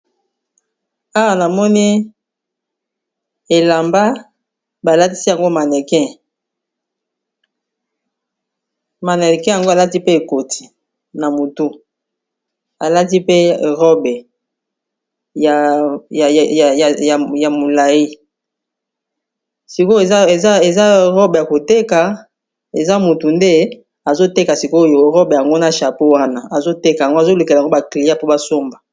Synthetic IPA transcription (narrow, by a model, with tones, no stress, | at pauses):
a˦wa˨na˨mɔ˦ni˦ | e˨la˨mba˦ | ba˨la˦ti˦si˦ja˨ŋɡo˦ma˨nɛ˨kɛ̃˦˨ | ma˨nɛ˨kɛ̃˦ja˨ŋɡo˦a˨la˦ti˦pe˦e˨ko˨ti̥˨ | na˨mo˨tu˦ | a˨la˦ti˦pe˦˨ʁɔ˦bɛ˨ | ja˨a˨ja˨ja˨ja˨ja˨mo˨la˨ji˦ | si˨ko˦e˨za˦e˨za˦e˨za˦ʁɔ˦be˨ja˨ko˨te˦ka˨ | e˨za˦mu˨tu˨nde˦ | a˨zo˦te˦ka˨si˨ko˦o˦jo˨ʁɔ˦be˨ja˨ŋɡo˦na˨ʃa˨po˦wa˦na˦a˨zo˦te˦ka˨ja˨ŋɡo˦a˨zo˦lu˨ke˨a˨ŋɡo˦ba˨kli˨ja˦po˦ba˦so˦mba˨